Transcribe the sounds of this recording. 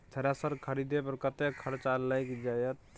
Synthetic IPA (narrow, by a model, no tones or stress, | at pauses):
t̪ʰəɾasəɾkʰəɾid̪epəɾkət̪ekʰəɾt͡ʃalajkd͡ʒajət̪̚